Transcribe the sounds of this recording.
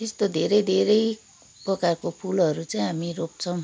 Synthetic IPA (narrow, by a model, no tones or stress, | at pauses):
t̪est̪od̪ʱeɾʌjd̪ʱeɾʌj | prʌkarkopʰulʌɾut͡saj̃ɦamiɾok̚t͡sʰʌw